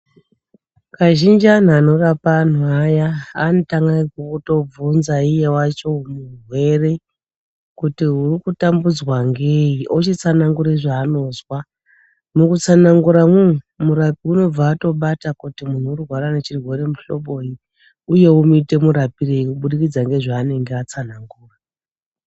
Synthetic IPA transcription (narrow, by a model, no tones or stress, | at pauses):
kaʒind͡ʒian̤ano̞rapan̤uaja̰ːnotaŋɡaikukuto̞b͡vvunzaije̞wat͡ʃo̞murwe̞re̞ | kutiɦurikutambud͡zwaŋɡeiʔot͡ʃit͡sanaŋɡuɾeiʐaːno̞ːzwa | mukut͡sanaŋɡuɾamun̤u | muɾapiuno̞b͡vaːto̞ɓatakutimun̤uurwaɾane̞t͡ʃirwe̞ɾe̞muɬo̞ɓo̞i | uje̞umuite̞muɾapireikuɓuɗikid͡zaŋɡe̞ʐaːne̞ŋɡeat͡sanaŋɡuːra